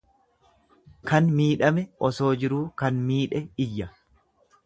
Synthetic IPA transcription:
kɐnmiːᶑɐmɛʔɔso̞ːd͡ʒɪɾuːkɐnmiːᶑɛɪjːɐ

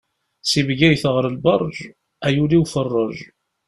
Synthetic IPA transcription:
sivɡæjθʁɾəlbɑrˤːʒ | æjuliwfərˤːəʒ

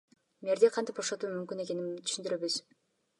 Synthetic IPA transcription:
meɾd̪eqʰɑnt̪ipboʃot̪uːmymkyne̞ke̞nimt̪ʰyʃynd̪yɾø̞βyz̥

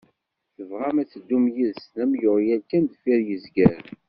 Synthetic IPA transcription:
θəvʁæmæt͡sːəd̪ːumjiðsnæmjʊʁijæɾkːænd̪fiɾjəzɡəɾ

